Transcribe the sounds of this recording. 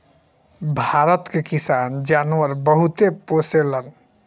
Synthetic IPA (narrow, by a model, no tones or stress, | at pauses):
bʱaɾət̪kekisand͡ʒanəɾbəɦut̪eposelən